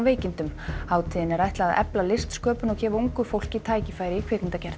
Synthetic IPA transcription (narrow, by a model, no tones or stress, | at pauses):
veːjcɪnt̪ʏmaːwt̪ʰiːðɪnɛɾajht̪laːðʔɛ̰plalɪst̪skœːpʏnɔɣçɛːvauŋkʏfowl̥cɪit̪ʰaːjcɪfaːjɾɪikʰveːnɪnt̪acɛɾ̥t̪